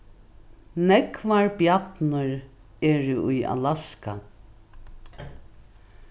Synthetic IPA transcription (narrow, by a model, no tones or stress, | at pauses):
nɛkvaɹbjat̪nʊɹ | ɛːɹɪʊjʔa̰laska